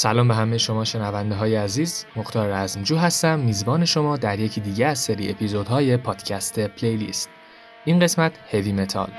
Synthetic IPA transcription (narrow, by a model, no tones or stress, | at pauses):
sælɒːmbeɦæmejeʃo̞mɒːʃe̞nævænd̪eɦɒːjeæziːzmoxt̪ʰɒːɾɾæzmd͡ʒuːɦæst̪æmːiːzbɒːne̞ʃo̞mɒːd̪æɾje̞cʰiːd̪iːɟeæzseɾiːepʰizod̪hɒːje̞pʰɒːd̪̥cʰæst̪ʰe̞pʰlejlḭːst̪̚ | ʔinɢe̞smæt̪ʰhe̞viːme̞t̪ʰɒ̰l